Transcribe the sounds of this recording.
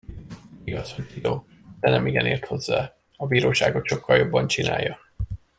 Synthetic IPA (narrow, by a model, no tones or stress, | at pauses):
ɡɒzoid̪oː | d̪̥ɛnɛmiɡɛneːrt̪ho̞zːaː | ɒbiːɾoːʃaːɡot̪ʃo̞kʰːɒljo̞bːɒnt͡ʃina̰ːjːɒ